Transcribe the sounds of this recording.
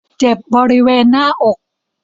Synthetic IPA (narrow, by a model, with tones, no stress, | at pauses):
t͡ɕe˨˩p̚bɔː˧ɾi˦˥weː˧nːaː˥˩ʔo˨˩k̚